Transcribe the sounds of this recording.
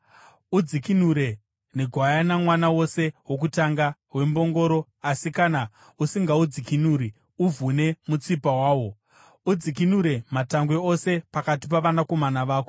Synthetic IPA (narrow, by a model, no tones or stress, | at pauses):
ud͡zikinuɾe̞ | neɡʱwajanamwanawo̞se̞wo̞k̬utaŋɡaɦwe̞mbo̞ŋɡo̞ɾo̞ | asikana | usiŋɡaud͡zikinuːɾi | uvʱune̞mut͡sipawaːwo̞ | ud͡zik̬inuɾe̞mataŋɡwe̞o̞se̞pakatipaʋanako̞manaʋaːko